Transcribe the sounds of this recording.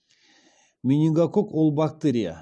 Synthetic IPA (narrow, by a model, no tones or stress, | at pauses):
mʲinʲiŋɡakokwolˠbak̚t̪eɾʲija̰